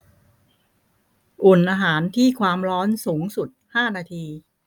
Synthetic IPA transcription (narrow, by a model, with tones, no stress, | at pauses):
ʔu˨˩nʔaː˧ɦaː˩˦nt̪ʰiː˥˩kʰwaː˧mɾɔː˦˥nsuː˩˦ŋsu˨˩t̪̚haː˥˩naː˧t̪ʰiː˧